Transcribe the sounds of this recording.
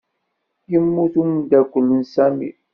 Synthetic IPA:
jəmːuθumnd̪ækʷəlːənsæmḭ

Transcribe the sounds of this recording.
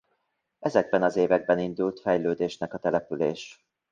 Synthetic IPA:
ɛzɛɡ̚bɛnɒzeːvɛɡ̚bɛnind̪ult̪fɛjløːd̪eːʃnɛkɒt̪ɛlɛpyleːʃ

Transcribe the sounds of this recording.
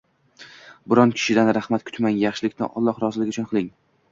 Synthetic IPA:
bɪɾɒnkʲʰɪ̥ʃɪd̪anɾahmat̪kʰʊ̥t̪maŋjaχʃɪlɪkʲnɪ̰ʔɒ̰lˠːɒχɾɒzɪlɪkʲʊt͡ʃʰʊnqʰɨlˠɪŋ

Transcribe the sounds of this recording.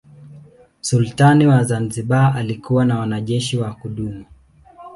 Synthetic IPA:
sultaniwazanziɓaalikuwanawanaʄɛʃiwakuɗumu

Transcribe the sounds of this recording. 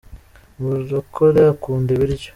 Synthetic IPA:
βuzokʰoɾeakuːndeβiɾɟo

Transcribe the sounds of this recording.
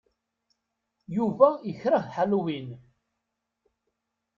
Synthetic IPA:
juvæjəçɾəχħaluwin

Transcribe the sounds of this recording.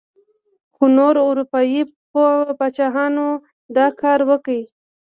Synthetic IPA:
xunoɾʊɾupɑjipobat͡ʃɑɦɑno | d̪ɑkʰɑɾwəkəi

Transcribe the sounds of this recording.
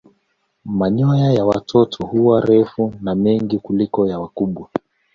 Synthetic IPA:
maɲɔjajawatʰɔtʰɔhuwaɾɛfunamɛŋɡikulikɔjawakuɓwa

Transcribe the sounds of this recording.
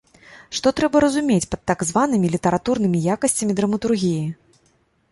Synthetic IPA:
ʂt̪ɔt̪ɾɛbɐɾɐzumʲet͡sʲpɐt̪ːaɡzvanɨmʲilʲit̪ɐɾat̪urnɨmʲijakɐsʲt͡sʲɐmʲid̪ɾɐmɐt̪urɣʲiji

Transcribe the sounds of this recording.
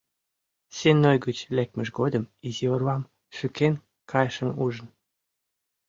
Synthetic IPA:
senojɡət͡ɕlek̚məʃɡod̪əmiziorwɑm | ʃyken | kʰɑjʃə̆muʒə̆n

